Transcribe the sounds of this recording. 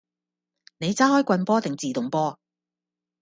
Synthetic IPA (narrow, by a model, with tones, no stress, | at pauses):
ne˨˧jt͡saː˥hɔː˥jkʷɐ˧npɔː˥t̪ɪ˨ŋt͡siː˨t̪ʊ˨ŋpɔː˥